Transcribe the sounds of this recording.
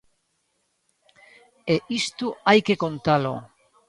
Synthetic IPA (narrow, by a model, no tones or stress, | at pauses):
eʔist̪uajke̞ko̞nt̪alo̰